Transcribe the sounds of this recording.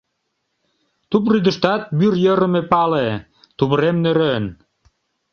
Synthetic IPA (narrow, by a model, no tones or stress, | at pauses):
t̪up̬ryd̪ə̆ʃt̪ɑt̪̚byrjəɾə̆mepɑle | t̪uβəɾemnøɾøn